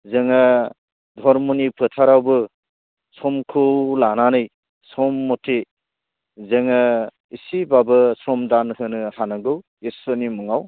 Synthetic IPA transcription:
zeŋa | dʱɔɾmɔnipʰɯtʰaɾawbɯ | sɔmkʰulananɯj | sɔmːɔtʰe | zeŋa | isibabɯsɔmdanhɯnɯhanɯɡɯw | esɔnimuŋaw

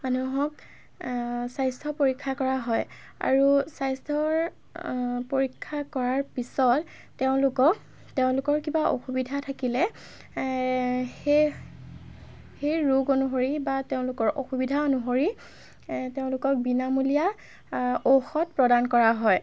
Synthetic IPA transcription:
manuɦɔk | sajstʰɔpoɹikʰːakɔɹaɦɔj | a̰ɹusajstʰɔɹ | poɹikʰːakɔɹaɹpisɔtː | eʊ̃lʊkɔk | teʊ̃lʊkɔɹkibaʔo̰xubidʱatʰakilɛ | e | xejɹoɡonuɦoɹibateʊ̃lʊkɔɹʔo̰xubidʱaonuɦoɹi | teʊ̃lʊkɔk̚binamulija | oxɔt̚pɹɔdankɔɹaɦɔj

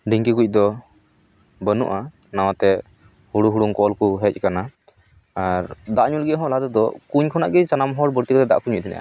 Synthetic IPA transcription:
ɖiŋkikuc̚ˀd̪ɔ | bənṵʔa | nawat̪ɛ | huɽuɦuɽuŋkɔɔlkuɦɛc̚ˀkana | aɾd̪aʔɲulɡɛɦɔ̃laɦat̪ɔd̪ɔkuɲkʰɔna̰ʔɡɛt͡ʃanamɦɔɾbəɾt̪ikɔt̪ɛd̪a̰ʔkuɲuc̚t̪ʰɛnɛ̰ʔa̰

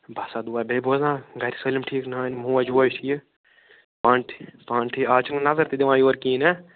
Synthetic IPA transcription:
bʱasaːd̪uaːbeːboːzãːɡʱɐɾisəːlimʈʰiːknãːnmũːɐd͡ʒuːɐjʈʰij | paɳʈʰi̥paːɳʈʰiaːt͡ʃʰnnɐzɐɾt̪id̪iʋãːjoːɾkiːne

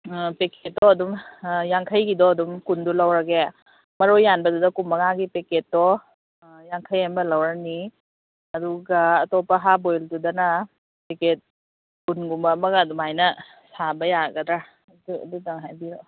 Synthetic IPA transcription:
peket̚dɔɐdumjaŋkʰɐjɡidɔɐdumkundulawɾɐɡe | mɐɾojːanbɐdudɐkumɐŋaɡipeket̚dɔ | jaŋkʰəjhajmbɐlawɾani | ɐduɡaːtɔpɐɦabojldudɐna | peket̚ | kunɡumɐmɐɡaːdumajnɐ | sabɐjaɡɐdɾa | duɐ̰dudaŋɦajbi

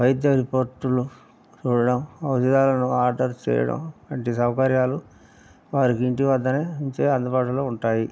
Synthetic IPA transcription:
ʋɐjd̪jɐɾipoːɾʈulu | t͡ʃuːɽɐɽɐmɐwt̪id̪aːlɐnuaːɾɖɐɾt͡ʃɛ̰ːjɐ̰ɽɐ̰mɐɳʈisɐwɐkɐɾjaːlu | ʋaːɾikiɳʈiʋɐd̪ːɐneːiɲt͡ʃeːɐnd̪ɐbaːʈɐloːuɳʈaːji

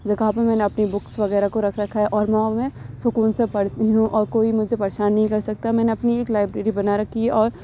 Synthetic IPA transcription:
d͡ʒɐɡʱapɐɾmɛːneɐpnibʊksʋɐɣɛːɾakoɾɐkʰɾɐkʰːaɦɛʔɔːɾmɛ̃mɛ̃ːsʊkuːnsepɐɽt̪iɦũʔɔːɾkoːimʊd͡ʒʱepɐɾeːʃaːnːɐɦĩkɐɾsɐk̚t̪amɛːneɐpnieːklaːɪbɾeːɾibɐnaɾɐkʰːiɛʔɔːɾ

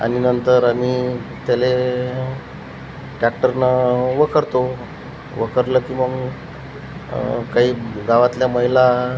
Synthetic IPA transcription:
a̰ninənt̪əɾamit̪jale | ʈɾak̚ʈəɾnəʋəkʰəɾt̪o | ʋəkʰəɾləːkiməɡ | kaɦiːɡaʋat̪ljaməɦila

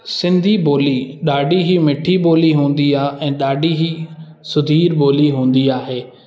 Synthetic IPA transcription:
sɪ̃nd̪ʱiboːliɗaːɖiɦimɪʈʰiboːliɦũːn̆d̪iaːɛ̃ːɗaːɖiɦi | sʊd̪ʱiːɾboːliɦũːnd̪iaːɦeː

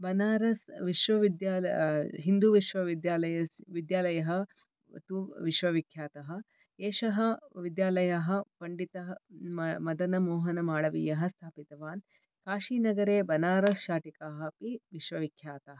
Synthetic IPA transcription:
bɐnaːɾɐsʋiʃʋɐʋid̪jaːlɦind̪uʋiʃʋɐʋid̪jaːlɐjɐsʋid̪jaːlɐjɐɦɐ | t̪uʋiʃʋɐʋikʰjaːt̪ɐɦɐ̆ | eːʂɐɦɐʋid̪jaːlɐjaɦɐ̆pɐɳɖit̪ɐɦɐmɐd̪ɐnɐmɔːɦɐnɐmaːɭɐʋḭːjɐɦɐst̪ʰaːpit̪ɐʋaːn | kaːʃiːnɐɡɐɾeːbɐnaːɾɐsʃaːʈikaːɦɐ̆piʋiʃʋɐʋikʰjaːt̪ɐɦɐ

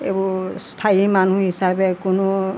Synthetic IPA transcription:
ḛbustʰaimanuɦisabɛkʊnʊ

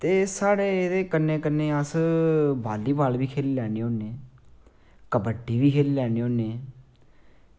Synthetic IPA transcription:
t̪eːsaːɽeːd̪eːkənːeːkənːẽːəsbaːlːiːbaːlbiːkʰeːlːlɛːɽ̃eːoːnẽː | kəbəʈːiːʋiːkʰeːliːlɛːneːoːnẽː

